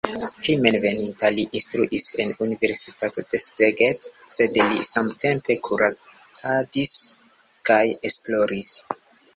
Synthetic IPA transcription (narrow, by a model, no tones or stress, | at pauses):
hime̞nve̞nintaliʔinstɾṵʔise̞nunive̞ɾsitato̞d̥e̞steɡet | se̞dlisamte̞mpe̞kʰuɾa | t͡sadis | kajesplo̞ɾis